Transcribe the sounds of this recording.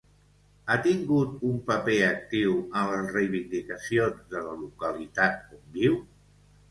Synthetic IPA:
at̪iŋɡut̪umpəpeək̚t̪iwənləzrejβind̪ikəsionzðələlukəlit̪at̪̚umbiw

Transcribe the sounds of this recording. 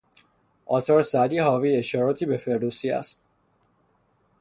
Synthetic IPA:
ʔɒːt̪ɒːɾsæd̪iːhɒːviːe̞ʃɒːɾɒːt̪ʰiːbe̞fe̞ɾd̪usiːæ̰st̪̚

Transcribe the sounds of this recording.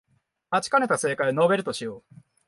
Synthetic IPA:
at͡ɕi̥kane̞t̪ase̞ːkaino̞be̞ɾɯ̟t̪o̞ɕijoː

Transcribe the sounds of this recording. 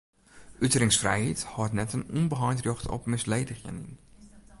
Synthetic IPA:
ʔytərɪŋsfrɛ̰jhithɔtnɛtənunbəɦɑjntrjoxtɔ̰pmɪslejdəχə̰nḭn

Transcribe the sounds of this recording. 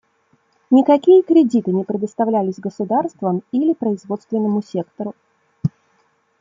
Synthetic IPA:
nʲɪkɐkʲijəkɾʲɪdʲit̪ɨnʲɪpɾʲɪd̪əst̪ɐvlʲælʲɪsʲɡəsʊd̪arst̪vəmilʲɪpɾəɪzvo̞t̪st̪vʲɪnːəmʊsʲe̞kt̪əɾʊ

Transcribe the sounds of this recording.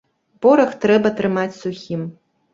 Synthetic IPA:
pɔɾɐxt̪ɾɛbɐt̪ɾɨmat͡sʲsuxʲim

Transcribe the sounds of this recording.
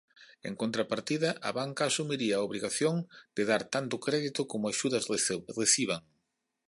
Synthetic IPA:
ḛŋkont̪ɾapaɾt̪iðɐʔɐ̰βaŋkaːsumiɾiɐːoβliɣaθjoŋd̪̥ɪðaɾt̪ant̪ʊkɾɛðit̪ʊkomʊaʃuðɐzreθiβ̞aŋ

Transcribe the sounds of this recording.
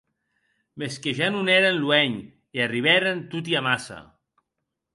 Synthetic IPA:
meskeʒanunɛɾenluɛɲ | iariβɛɾent̪ut̪̬iamasa̰

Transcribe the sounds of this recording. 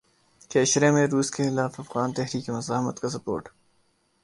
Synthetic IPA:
keʃɾemẽɾuːskexɪlaːfɐfɣaːnt̪ɛɦɾiːkemɐzaːɦmət̪kas̬ɐpo̰ːɾʈ

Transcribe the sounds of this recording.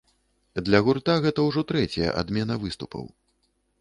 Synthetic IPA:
d̪lʲɐɣurt̪aɣɛt̪ɐwʐɔt̪ɾɛt͡sʲɐjɐ̰ʔa̰d̪mʲɛnɐvɨst̪upʰɐ̰w

